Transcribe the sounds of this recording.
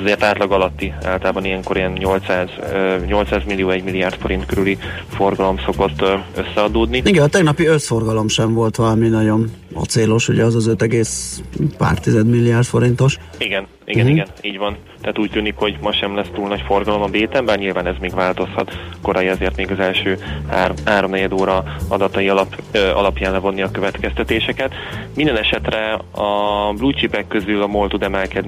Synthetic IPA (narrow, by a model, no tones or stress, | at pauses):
zeːrt̪aːt̪lɒɡɒlɒt̪ːia̰ːlt̪laːbɒnijɛŋko̞ɾijɛnɲo̞lt̪saːzɲo̞lt̪saːzmilːijoːɛɟmilːiaːrt̪fo̞ɾint̪køɾyli | fo̞rɡɒlo̞mso̞ko̞t̪ːøsːɛɒd̪oːd̪niiɡɛnɒt̪ɛɡnɒpiøt̪fo̞rɡɒlo̞mʃɛɱvo̞lt̪ʋɒlɒminɒɟo̞nɒ̰t̪seːlo̞ʃṵɟɛɒzɒzøt̪ɛɡeːspa̰ːrt̪izɛd̪milːiaːrt̪fo̞ɾint̪o̞ʃiɡɛn | ḭɡɛniɡɛniːɟvɒn | t̪ɛaːt̪uːc̚t̪yːnikho̞ɟmɒʃɛmlɛst̪uːlnɒcforɡɒlo̞mɒbeːt̪ɛmbɛlɲilvaːnɛzmeːɡʋaːlt̪o̞shɒt̪ko̞ɾɒjiɒzeːrt̪meːɡɒzɛlʃøːhaːhaːɾo̞mnɛɟɛd̪oːɾɒɒd̪ɒt̪ɒjilɒ̰lɒpjaːnlɛvo̞nːiɒkøvɛt̪kɛst̪ɛt̪eːʃɛkɛt̪ | mind̪ɛnɛʃɛt̪rɛɒbluːt͡ʃipɛkːøzylɒmolt̪ud̪ɛmɛlkɛd̪n